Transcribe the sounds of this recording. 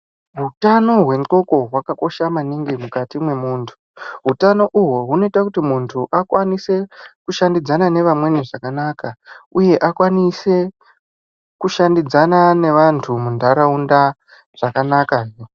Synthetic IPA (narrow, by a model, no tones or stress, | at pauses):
ɦutano̞ɦwe̞nko̞ko̞ɦwakako̞ʃamaniŋɡimukatimwe̞muːntʰu̥ɦutano̞ʔuɦoɦuno̞itakutimuntʰuʔakwanise̞kuʃandid͡zanane̞ʋamwe̞niʐakanakauje̞ʔakwanise̞ | kuʃandid͡zanane̞ʋantʰumundaɾaunda | ʐ̥akanakao